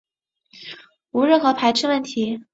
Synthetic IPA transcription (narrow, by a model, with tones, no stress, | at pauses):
u˧˥ɻə˥˩nxɤ˧˥pʰa˧˥ɪʈ͡ʂʰɤ˥˧wə˥˩nt̪ʰi˧˥